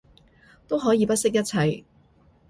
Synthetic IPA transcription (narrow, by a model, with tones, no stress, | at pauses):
t̪o˥wɦɔː˨˥jiː˨˧pɐ˥t̚sɪ˥k̚jɐ˥t̚t͡sʰɐ˨˩j